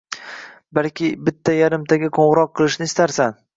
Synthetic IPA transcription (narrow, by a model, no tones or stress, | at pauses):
balkʲɪbɪt̪ʰːajaɾɪmt̪ʰaɡʲɪqʰoɴʁɾɒqʰːɨlˠɪʃnɪːst̪aɾsan